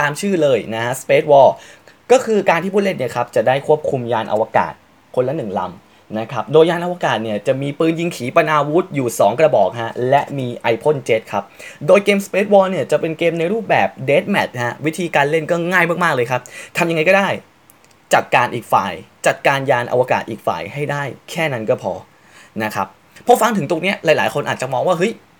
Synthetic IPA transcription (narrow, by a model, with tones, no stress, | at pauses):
t̪aː˧mt͡ɕʰɯː˥˩lɤː˧jna˦˥kʰa˦˥ʔspe˦˥t̪̚wɔː˧˩ | kɔː˥˩kʰɯː˧kaː˧nt̪ʰiː˥˩pʰuː˥˩t̪le˥˩nːi˥˩ɐkʰa˦˥p̚t͡ɕa˨˩daː˥˩jkʰu˥˩əp̚kʰu˧mjaː˧nʔa̰˧wa˧ka̰ː˨˩t̪̚ | kʰo˧nla˦˥nɯ˨˩ŋla̰˧m | na˦˥kʰa˦˥p̚doː˧jːaː˧nʔa˧waː˧kaː˨˩t̪̚ni˥˩ɐt͡ɕa˨˩miː˧pɯː˧nji˧ŋkʰiː˩˦pa˧naː˧wu˦˥t̪̚juː˨˩sɔː˩˦ŋkɾa˧bɔː˨˩k̚ɦa˦˥lɛ˦˥ʔmiː˧ʔa˧jpʰo˥˩nt͡ɕe˦˥t̪̚kʰa˦˥p̚doː˧jkeː˧mspeː˦˥t̪̚wɔː˧˥ni˥˩ɐt͡ɕa˨˩pe˧nkeː˧mna˧jɾuː˥˩p̚bɛː˨˩p̚deː˦˥t̪̚mɛ̰˨˩t̪̚ha˦˥wi˦˥t̪ʰiː˧kaː˧nle˥˩nkɔː˥˩ŋaː˥˩jma˥˩k̚maː˥˩k̚lɤː˧jkʰa˦˥p̚t̪ʰa˧mja˧ŋa˧jkɔː˥˩daː˥˩j | t͡ɕa˨˩t̪̚kaː˧nʔiː˨˩k̚fa̰ː˨˩jt͡ɕa˨˩t̪̚kaː˧njaː˧nʔa̰˧wa˧ka̰ː˨˩t̪̚ʔiː˨˩k̚fa̰ː˨˩jɦa˥˩jdaː˥˩jkʰɛː˥˩na˦˥nkɔː˥˩pʰɔ̰ː˧ | na˦˥kʰa̰˦˥p̚ʰː | ɔ˦˥fa˧ŋt̪ʰɯ˩˦ŋt̪o˧ŋni˦˥ɐʔlaː˨˦jlaː˩˦jkʰo˧nʔaː˨˩t͡ɕa˨˩mɔː˧ŋwaː˥˩ɦɤ˦˥j